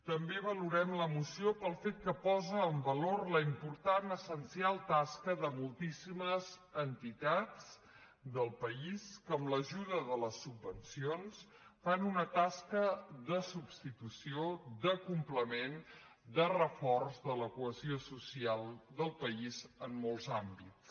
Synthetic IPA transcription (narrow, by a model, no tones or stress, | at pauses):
t̪əmbeβəluɾɛmləmusiopəlˠfet̪̚kəpɔzəːmbəlorləimpuɾt̪anəsənsialˠt̪askəðəmulˠt̪isiməzənt̪it̪at͡s | d̪əlˠpəiskəːmləʒuðəðələsubːənsions | fanunət̪askəðəsubst̪it̪usiod̪əkumpləmen | d̪ərəfɔrzðələkuəziosusialˠd̪əlˠpəizənːolˠzambitt͡s